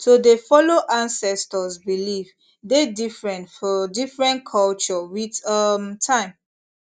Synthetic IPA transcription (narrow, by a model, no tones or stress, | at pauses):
todefɔloʔãnsɛstɔsbiliv | dedifɹɛ̃ntfɔdifɹɛ̃nkʰɔlt͡ʃɔwidʌmtʰãɪ̃m